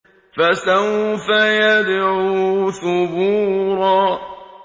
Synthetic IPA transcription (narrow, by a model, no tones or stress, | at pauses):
fasawfajad̪ʕuθʊbuːɾɑː